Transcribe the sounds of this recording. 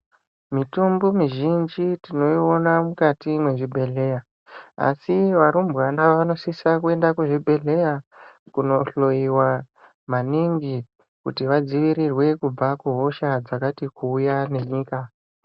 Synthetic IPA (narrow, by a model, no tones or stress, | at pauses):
mitumbumiʒind͡ʒitino̞io̞namukatimwe̞ʐibʱe̞ɮe̞ja | a̰siʋaɾumbɣanaʋano̞sisakue̞ndakuʐibʱe̞ɮe̞jakuno̞ɬo̞jiwa | maniŋɡi | kutiʋad͡ziʋiɾirwe̞kub͡vakuɦo̞ʃad͡zakatikuːjane̞ɲiːka